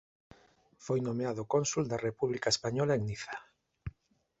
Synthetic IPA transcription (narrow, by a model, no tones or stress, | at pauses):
fojnomeaðokonsuld̪arepuβlikaespaɲɔlaeŋniθḁ